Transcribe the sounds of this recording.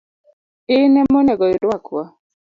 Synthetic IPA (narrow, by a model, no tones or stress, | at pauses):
ɪnɛmɔnɛɡɔɪdwakwa